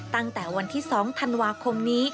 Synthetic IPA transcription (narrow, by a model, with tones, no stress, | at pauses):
t̪a˥˩ŋt̪ɛː˨˩wa˧nt̪ʰiː˥˩sɔː˩˦ŋt̪ʰa˧nwaː˧kʰo˧mniː˦˥